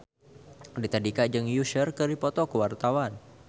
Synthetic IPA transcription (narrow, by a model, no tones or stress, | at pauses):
dit̪adikad͡ʒɨŋjuʃərkəɾipɔt̪ɔkəwart̪awan